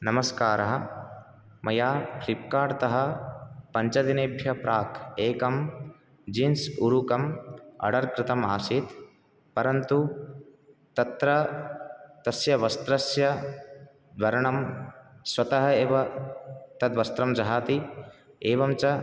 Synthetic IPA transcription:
nɐmɐskaːɾɐɦɐ̆ | mɐjaːpʰɾip̚kaːɾt̪ɐɦɐ̆pɐɲt͡ʃɐd̪ineːbʱjɐpɾaːkʰeːkɐm | d͡ʒinsuɾukɐmɐ̰ɽɐɾkɾɪt̪ɐmaːsit̪ | pɐɾɐnt̪u | t̪ɐt̪ɾɐ | t̪ɐsjɐʋɐst̪ɾɐsjɐ | d̪ʋɐɾɐɳɐmswɐt̪ɐɦɐeːʋɐ | t̪ɐd̪ʋɐst̪ɾɐmd͡ʒɐɦaːt̪i | eːʋɐmt͡ʃɐ

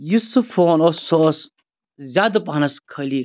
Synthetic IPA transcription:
jusufoːnosos | zʲaːd̪ɐpaɦnɐskʰɐli

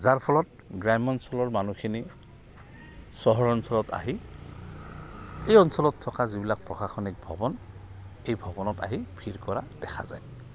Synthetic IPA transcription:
zaɹpʰɔlɔt̚ | ɡɹajmɔnsɔlɔɹmanukʰini | sɔɦɔɹɔnsɔlɔta̰ɦi | ejɔnsɔlɔtʰːɔkazibilak̚pɹɔxaxɔnik̚bʱɔbɔn | ejbʱɔbɔnɔta̰ɦibʰʱiɹkɔɹad̥ɛxʰa̰za̰j

